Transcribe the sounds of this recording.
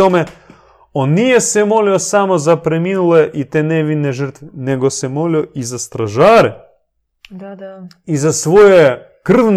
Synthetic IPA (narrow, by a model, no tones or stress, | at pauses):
ome | onːijesemoliosamo̞zapɾemiːnuleʔit̪eːneʋineʒərt̪ʋeneɡosemolioizast̪ɾaʒaːɾe | izasʋoje | kr̩ʋn